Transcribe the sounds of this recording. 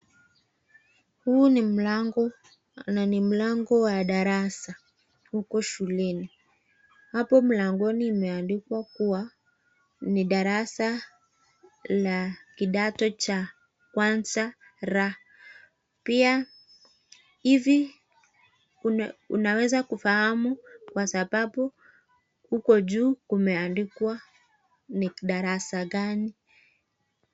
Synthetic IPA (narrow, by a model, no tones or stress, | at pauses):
hunim̩aŋɡɔ | nanim̩laŋɡɔwaɗaɾasa | hukɔʃulɛni | hapɔm̩laŋɡɔniːmɛandikwakuwa | niɗaɾasa | lakiɗatɔt͡ʃa | kwanza | ɾa | pia | ivi | ṵnawɛzakufahamukwasaɓaɓu | hukɔd͡ʒuːkumɛandikwa | niɗaɾasaɡani